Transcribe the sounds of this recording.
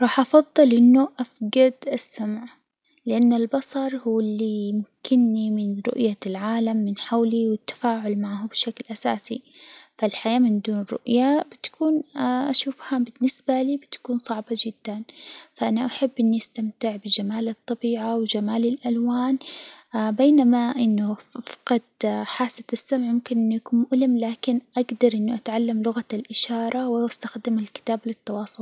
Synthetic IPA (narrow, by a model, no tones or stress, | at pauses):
ɾˤɑːħʔɑfɑðˤːɨlʔɪnːʊʔafɡad̪ʔasːamʕ | lɪʔanːalbɑsˤɑɾˤhuwːɪlːimʊkʰɪnːimɪnɾʊ̰ʔjalʕaːlamːɪnħawliwɪt̪ːḁfaːʕʊlmaʕɦabɪʃaklʔasaːsifalħajaːmɪnd̪uːnrʊ̰ʔjabɪt̪ḁkuːnʔaʃuːfhabɪnːɪsbaliːbɪt̪ḁkuːnsˤɑʕbɑd͡ʒɪd̪ːanfaʔanaʔaħabːʔɪnːiʔast̪amt̪ɪʕbɪd͡ʒamaːlɨt̪ˤːɑbiːʕawɪd͡ʒamaːlɪlʔalwaːn | beːnamaʔɪnːʊfɑ̥qɑd̪ħaːsːat̪asːamʕmʊmkɪnʔɪnːujakuːnmʊʔlɪmlaːkɪnʔaɡd̪ɑɾˤʔɪnːʊʔat̪ʕalːamlʊɣalʔɪʃɑːɾˤɑwɪʔast̪axd̪ɪmɪlkɪ̥t̪aːblɪt̪ːɑwɑːsˤʊl